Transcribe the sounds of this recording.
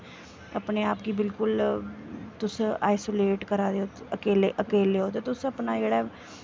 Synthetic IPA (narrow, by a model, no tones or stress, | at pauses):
əpneːaːp̚ɡiːbɪlkʊl | t̪ʊsaːɪsoːleːʈkəɾaːd̪eoːəkeːleːʔəkeːleːoːt̪eːt̪ʊsəpnaːd͡ʒeːɽaː